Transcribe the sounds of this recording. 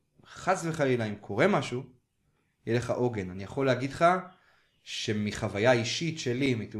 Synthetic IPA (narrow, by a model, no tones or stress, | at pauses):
χasveχalilaimkʰo̞ʁe̞maʃu | jeleχaʔo̞ɡe̞nanijaχo̞leaɡidχa | ʃe̞miχavajaiʃitʃe̞limat̪